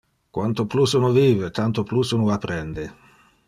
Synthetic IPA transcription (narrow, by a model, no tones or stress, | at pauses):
kwant̪oplusunoviːvet̪ant̪oplusunuapːɾɛnd̪e